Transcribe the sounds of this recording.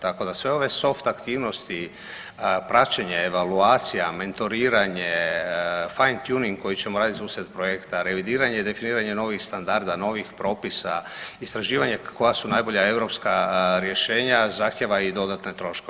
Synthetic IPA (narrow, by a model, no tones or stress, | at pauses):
t̪ako̞d̪asʋe̞o̞ʋe̞so̞ft̪akt̪iːʋno̞st̪i | pɾat͡ʃeɲeeʋaluaːt̪sijame̞nt̪o̞ɾiːɾaɲe | fajnt̪juniŋɡko̞jit͡ɕe̞moɾaːd̪it̪suːsɾet̪pɾo̞jekt̪aɾe̞ʋid̪iːɾaɲeid̪e̞finiːɾaɲe̞no̞ʋixst̪and̪aɾd̪ano̞ʋixpɾo̞ːpisaist̪ɾaʒiːʋaɲeko̞jasunajbo̞ʎae̞vɾo̞pskaɾje̞ʃe̞ːɲazaxt̪jeʋaid̪o̞d̪at̪ne̞t̪ɾo̞ʃkoe